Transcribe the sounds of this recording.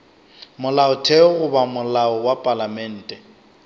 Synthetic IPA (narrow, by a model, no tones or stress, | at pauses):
mʊlaʊtʰɛɣʊbamʊlaɔwapʼalamɛn̩ːtʼɛ